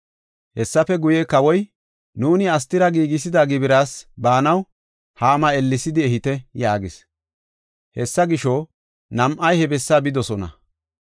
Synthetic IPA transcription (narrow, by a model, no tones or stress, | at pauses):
hɛsːɐfɛɡʊjɛkɐwɔj | nuːnɪɐs̬t̪ɪɾɐɡiːɡɪs̬ɪd̪aɡɪbɪɾaːsbaːnɐw | haːmɐɛlːɪsɪd̪ɪɛhɪt̪ɛjaːɡɪs | hɛsːɐɡɪʃɔ | nɐmʔɐjhɛbɛsːabɪd̪ɔsɔnɐ̰